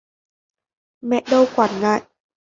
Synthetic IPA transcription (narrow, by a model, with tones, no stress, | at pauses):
mɛ˦˥ʔ̚do˧wkwa˨˩n̚ŋaː˧˩˨j